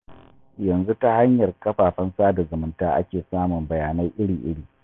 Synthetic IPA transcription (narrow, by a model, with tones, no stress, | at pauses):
jɐ˨nzu˦ta˦ha˦ɲjɐ˨rkɐ˦ɸaː˨ɸɐ˦nsaː˦da˨zɐ˨mɪ˦ntaː˦ʔa̰˦kʲeː˨saː˦mʊ˨mbɐ˨jaː˨na˦jʔɪ˦ɽiː˨ʔɪ̰˦ɽiː˨